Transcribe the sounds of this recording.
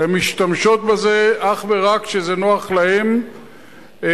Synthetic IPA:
emiʃt̪amʃo̞t̪̚bezeaχveʁakʃezenoaχlahem

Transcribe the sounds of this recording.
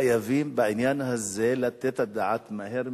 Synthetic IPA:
javiːmbeʕɪnjanhazːelat̪et̪ad̪aʕat̪maheɾ

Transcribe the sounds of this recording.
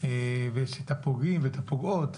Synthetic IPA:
eveʃet̪apoɡimvet̪apoɡot̪

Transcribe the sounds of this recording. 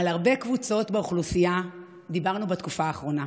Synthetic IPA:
alaʁbe̞kvut͡so̞t̪beuχlusija | d̪ibaʁnubatkufaːχʁo̞na

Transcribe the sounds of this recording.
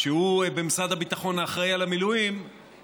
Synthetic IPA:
ʃeubemisad̪habit̪aχo̞naːχʁejalamilujim

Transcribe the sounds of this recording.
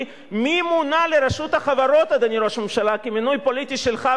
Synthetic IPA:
mimunaleɾaʃut̪haχavaɾo̞t̪ad̪aniɾoʃmemʃalakiminujpo̞lit̪iʃelχa

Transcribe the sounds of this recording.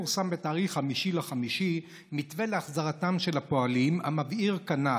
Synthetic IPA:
uʁsambetaːʁiχːamiʃilaχamiʃi | mitveleaχzaʁatamʃe̞lhapo̞alimhamaviʁkana

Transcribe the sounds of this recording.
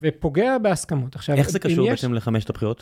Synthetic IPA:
vepo̞ɡe̞abeaskamo̞taχʃaveχzekaʃimubeetemleχameʃe̥t̪abpχiʁot̪

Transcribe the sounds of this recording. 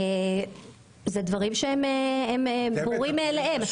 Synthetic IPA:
e | zed̪vɐʁimʃeemeemebuʁimːleema

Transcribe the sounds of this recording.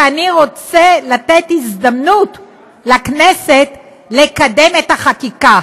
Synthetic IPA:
aniʁo̞t͡selat̪et̪izd̪amnut | lakneset | lekade̞met̪aχakika

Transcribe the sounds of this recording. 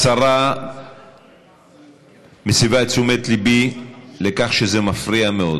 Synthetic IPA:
saʁa | mesivaet͡sumet̪libile̞kaχʃeze̞mafʁiameo̞̰d

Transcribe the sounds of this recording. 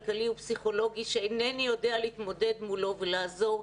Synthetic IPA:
lkaliupsiχo̞lo̞ɡiʃeenenijo̞dealiit̪mo̞de̞d̪mulo̞velaːzo̞

